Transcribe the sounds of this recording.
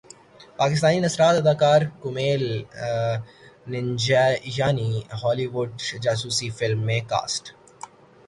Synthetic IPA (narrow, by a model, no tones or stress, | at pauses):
paːkɪst̪aːninɐsɾaːt̪ɐd̪aːkaːɾkʊmeːl | nɪɲd͡ʒajaːniɦɔːliːʋʊɖd͡ʒaːsuːsifɪlmːẽka̰ːsʈ